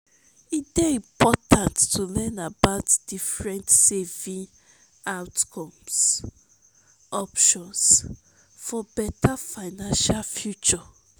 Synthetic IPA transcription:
idɛĩmpɔtãntːulɛnabaʊtd̥ifɹɛ̃ntsevĩ | awtkʰɔ̃ms | ɔpʃɔ̃ns | fɔbɛtʰafaɪnãnʃalfjut͡ʃɔ

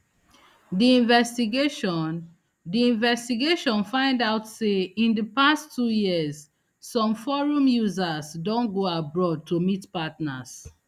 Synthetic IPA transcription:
diĩnvɛstiɡeʃn | diĩnvɛstiɡeʃɔ̃nfãɪ̃ndaʊtseĩndəpastʰːujiəzː | ɔ̃mfɔɹũmjuzazdɔ̃nɡoabɹɔd̚tʰomitpatnas

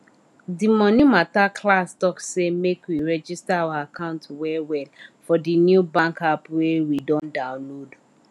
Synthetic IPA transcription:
dimɔ̃njumatakʰlastɔksemekwiɹɛd͡ʒistaawaakãʊ̃ntwɛwɛlfɔdinjubãŋkapwewidɔ̃ndãʊ̃nlod

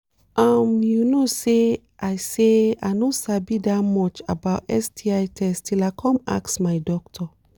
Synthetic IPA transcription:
ʔamjunose | ʔaɪsea̰ɪnosabidat̚mɔt͡ʃa̰baʊtɛ̰stʰiajtʰɛstʰilakʰɔ̃ma̰ksmaɪdɔk̚tʰɔ

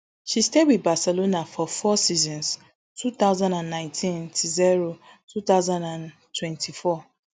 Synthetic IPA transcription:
ʃistewibasɛlonafɔfɔsizɔ̃ns | tʰut̪aʊzãndãnːãɪ̃ntʰĩntʰuziɹo | tʰut̪aʊzãndãntʰwɛ̃ntʰifɔ

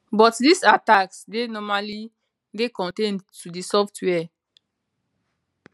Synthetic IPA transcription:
bɔtdisataksdenɔmali | ɡekɔ̃ntẽntːudisɔftʰwɛ

